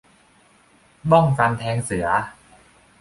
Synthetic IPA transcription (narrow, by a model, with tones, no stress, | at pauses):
bɔ˥˩ŋfa˧nt̪ʰɛː˧ŋsɯ˩˦ɐ